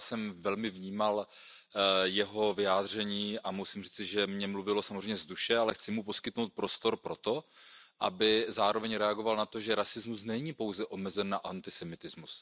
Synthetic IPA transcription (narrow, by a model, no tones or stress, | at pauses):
sɛmvɛlmɪvɲiːmal | jɛɦo̞vɪaːd̪r̝ɛɲiːʔamusimr̝iːt͡sɪʒɛmɲɛmluvɪlo̞samozrɛmɲɛzduʃɛalɛxt͡sɪmupo̞skɪt̪no̞wt̪̚pɾo̞st̪o̞ɾpɾo̞t̪o̞ʔa̰bɪzaːɾo̞vɛɲɾɛaɡo̞valnat̪o̞ʒɛɾasɪzmusnɛɲiːpo̞wzɛʔo̞mɛzɛnːaʔant̪ɪsɛmɪt̪ɪzmus